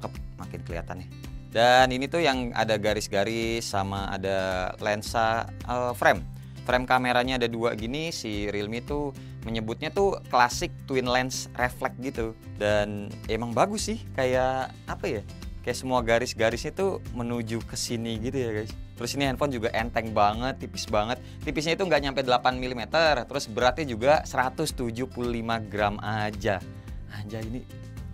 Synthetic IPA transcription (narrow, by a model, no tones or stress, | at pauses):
kəpmakɪnkəlia̰t̪ana | daninit̪ujaŋa̰daɡaɾɪsɡaɾɪsːamaa̰dalɛnsa | əfɾɛm | fɾɛmkameɾaɲaːdadua̰ɡinisiɾilmit̪u | məɲəbʊt̪̚ɲat̪uklasɪk̚t̪uwɪnlɛnsreflɛk̚ɡit̪u | danemaŋbaɡʊsɪhkaja | apaja | kajaʔsəmuaɡaɾɪsɡaɾɪsɲat̪umənud͡ʒukəsiniɡit̪ujaɡajst̪əɾʊsiniɛnfɔnd͡ʒuɡaʔɛnt̪ɛŋbaŋət̪ːipɪ̥sbaŋət̪̚ːipɪs̬ɲait̪uŋɡaʔɲampajdəlapanmilimet̪ərt̪əɾʊsbəɾart̪̚ɲad͡ʒuɡasəɾat̪ʊst̪ud͡ʒupululimaɡɾamʔad͡ʒa | ad͡ʒaini